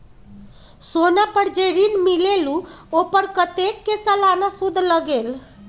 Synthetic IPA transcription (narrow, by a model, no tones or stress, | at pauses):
sonapəɾd͡ʒeɾinmileluopəɾkət̪ekːesəlanasud̪ʱləɡel